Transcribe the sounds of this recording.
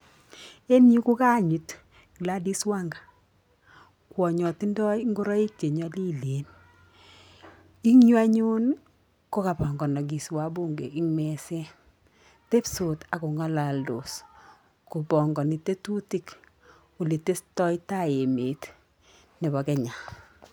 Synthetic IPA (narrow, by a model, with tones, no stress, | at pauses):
e˦nɲi˦ku˦ka˦ɲi˨t | ki˨la˦di˦swa˦ŋɡa˨ | kwɔ˨ɲɔ˨ti˦ndɔ˦jŋɡo˦ɾɔ˦i˦te˨ɲɔ˦li˦le˨n | i˦ŋɲwa˦ɲu˦n | ko˦ka˨pɔ˨ŋɡɔ˨nɔ˨ɡ̬i˨swa˦bu˦ŋɡḛ˨i˦ŋmɛ˨sɛ˦ | te˦pso˨ta˨ko˨ŋa˦la˨ldo̰˨s | ku˨bɔ˨ŋɡɔ˨ni˨te˦tu˦ti˦k | u˨li˨te˦stɔ˦jta˦e˨meː˨t | ne˨bɔ˨kɛ˨ɲa˨